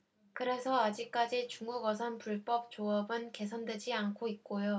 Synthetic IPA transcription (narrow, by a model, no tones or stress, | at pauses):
kɯɾe̞sʰʌad͡ʑik͈ad͡ʑit͡ɕuŋɡuɡʌs̬ʰʌnpuɭp͈ʌp̚t͡ɕ͈oʌbɯnke̞s̬ʰʌndwe̞d͡ʑiankʰoit̚k͈ojo